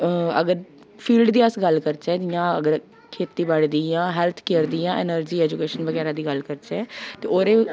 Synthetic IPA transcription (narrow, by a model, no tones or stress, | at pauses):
ə̰ɡəɾ | pʰiːlɖd̪iːəsɡəlkəɾt͡ʃɛːd̪ɪjãːəɡəɾ | kʰeːt̪iːbəɽd̪iãːɦɛːlt̪ʰkeːɾd̪iːãːʔḛːnəɾd͡ʒiːɛːd͡ʒukeːʃənʋəɡɛːɾãːd̪iːɡəlkəɾt͡ʃɛːt̪eːoːɾeː